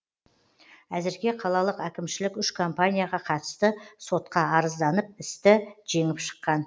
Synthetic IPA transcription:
æzɪɾɡʲe̞qʰɑlˠɑlˠəqækʲɪmʃɪlɪkʲʏʃkʰo̞mpanʲijaʁɑqʰɑt̪ə̥st̪əso̞t̪̚qɑɑɾəzd̪ɑnəp̚ɪst̪ɪʒ̥e̞ŋɪpʃə̥qːɑn

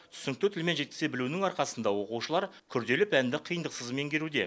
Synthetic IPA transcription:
t̪ʰʏ̥sɪnɪk̚t̪ɪt̪ʰʏlmenʒe̞t̪̚kʲɪ̥sebɪlunɪŋɑɾqɑsənd̪ɑwo̞quʃəlˠɑɾ | kʲʰʏɾd̪e̞lɪpænd̪ɪqʰijənd̪əqsəzme̞ŋɡʲe̞ɾud̪e

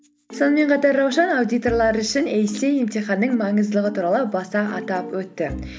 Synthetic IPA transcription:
so̞nəme̞ɴqʰɑt̪ɑɾːɑwʃɑnawd̪ijt̪o̞rlˠɑɾəʏʃɪnejsejemt̪iχɑnːəɴmɑɴəzd̪əlˠəʁət̪ʰuɾɑlˠəbɑsɑʔɑt̪ɑpwɵt̪ːɪ

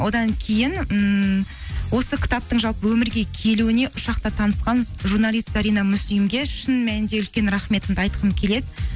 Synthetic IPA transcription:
wo̞d̪ɑŋkʲʰe̞jɪn | wo̞səkʲʰɪ̥t̪ɑp̚t̪əɴʒɑlˠpəwɵmɪɾɡʲe̞kʲʰe̞luɪne̞ʔʊʃɑq̚t̪ɑt̪ʰɑnəsqɑnʒurnɑlˠijst̪sɑɾijnɑmʏsijmɡʲe̞ʃənmænɪnd̪e̞ʏlkʲe̞nɾɑχme̞t̪ɪnɑjt̪əqʰəmkʲʰe̞le̞d̪ɪ

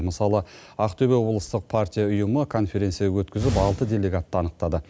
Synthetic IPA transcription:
məsɑlˠəɑqt̪ʰɵbe̞wo̞blˠəst̪əq̚pʰart̪ʲijaʊjəməkʰo̞nfʲe̞ɾʲe̞nt̪sijawɵt̪kʲɪzɪpɑlˠt̪əd̪ʲe̞lʲe̞ɡat̪ːəɑnəq̚t̪ɑd̪ə

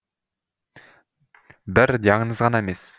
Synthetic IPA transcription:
bɪɾd̪ʲɑŋənɯzʁɑnɑaemes

